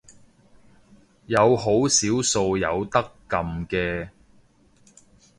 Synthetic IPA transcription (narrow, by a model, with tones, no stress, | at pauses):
jɐ˨˧wɦo˨˥wsiː˨˥wso˨˧wjɐ˨˧wt̪ɐ˥kːɐ˨mkɛː˧